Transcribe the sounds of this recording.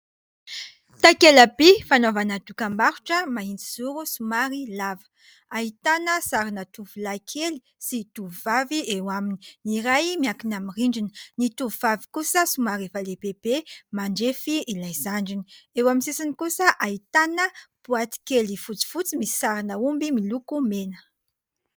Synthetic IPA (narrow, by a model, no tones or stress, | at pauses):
t̪ajkelabifanovanad̪ukambaɾuʈ͡ʂəmaɦind͡ziz̥uɾusumaɾilavə̥ | ait̪anəsaɾanət̪uvulajkʰeli | sit̪uvuvaviewamini̥niɾajmiakinamiriɳɖ͡ʐininit̪uvuvavi̥kusəsumaɾefaleb̥eb̥emaɳɖ͡ʐefiilajzaɳɖ͡ʐiniewaminsisinikusəʔait̪anəb̥uat̪i̥kelifut͡si̥fut͡simisi̥saɾinəumbimilukumenə̥